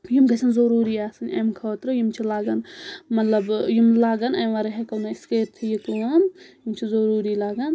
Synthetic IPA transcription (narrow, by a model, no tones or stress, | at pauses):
jimɡɐsʰʲɐnzɐɾuːɾiaːsɐnʲɐ̰jmkʰɐːt̪ɾɨjimt͡ʃʰilaːɡɐnmɐt̪lɐbjimlaːɡɐnɐjmʋaːɾɐɦekɐwnaiskeːɾt̪ʰijikuɐnjimt͡ʃʰizɐɾuːɾiːlaːɡɐn